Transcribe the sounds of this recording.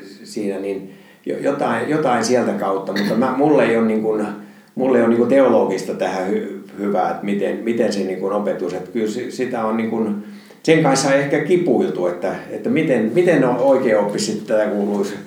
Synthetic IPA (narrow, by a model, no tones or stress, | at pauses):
siːnænin | jo̰jot̪ɑijot̪ɑinsiælt̪ækɑut̪ːɑmut̪ːɑmæmulːeionniŋkun | mulːeioniŋkut̪eoloːɡ̥ist̪ɑt̪æhæhyhyʋæ̰ḛt̪mit̪enmit̪enseniːŋkunopet̪uset̪kylssit̪æonniŋkun | seŋkɑ̃nshɑiehkækipuilt̪uet̪ːæet̪ːæmit̪enmit̪ennooikeːopːissit̪t̪æt̪ækuːluis